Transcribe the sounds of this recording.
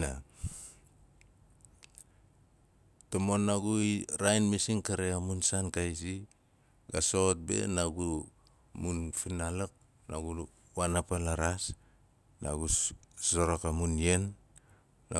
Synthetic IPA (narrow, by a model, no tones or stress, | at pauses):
a | tomonːaɡuiɾajnmisiŋkaɾeamunsankajsi | ɡaso̞t̚be̞̰naɡu | munfinalak̚ | naɡu | wanapalaɾas | na̰ɡusoɾokamunje̞nː | a